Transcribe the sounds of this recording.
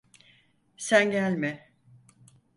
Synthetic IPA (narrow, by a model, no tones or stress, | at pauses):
sænɟælʲmɪ